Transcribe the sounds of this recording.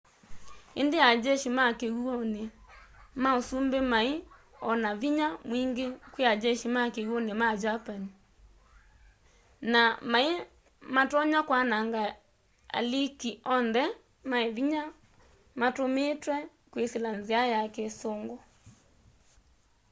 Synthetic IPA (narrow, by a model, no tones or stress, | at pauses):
endead͡ʒɛʃimakeɣuone | maosumbemae | ɔnaviɲamwiŋɡekwead͡ʒɛʃimakeɣuonemad͡ʒapani | namae | matɔɲakwanaŋɡa | a̰likiɔnðɛ | maeviɲa | matometwɛ | kweselanzeajakesoŋɡɔ